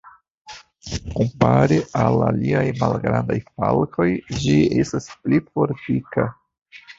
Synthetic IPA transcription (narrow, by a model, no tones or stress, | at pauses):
kompaɾeala̰liajmalɡɾandajfalko̞jd͡ʒie̞̰stasplifo̞ɾtika